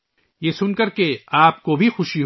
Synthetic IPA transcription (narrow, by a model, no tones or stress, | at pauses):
jesʊnkɐɾkeaːpkobʱixʊʃiɦ